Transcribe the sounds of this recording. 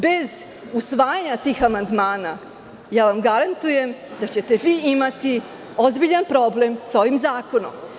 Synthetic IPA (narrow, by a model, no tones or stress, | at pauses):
be̞z | usʋaːjaɲat̪iːxamand̪maːna | jaːʋamɡaɾant̪uje̞md̪at͡ɕe̞t̪e̞ʋiːimat̪i | o̞zbiʎanpɾo̞ble̞msao̞ʋimzaːko̞no̞̰m